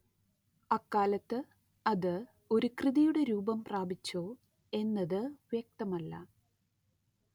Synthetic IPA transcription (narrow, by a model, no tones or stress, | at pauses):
ɐkːaːlɐt̪ːɨ | ɐðɨ | o̞ɾukrɨðijuɽe̞ɾuːbɐmpraːbit͡ɕːo̞ː | e̞nːɐðɨʋjeɐk̚t̪ɐmɐlːɐ̰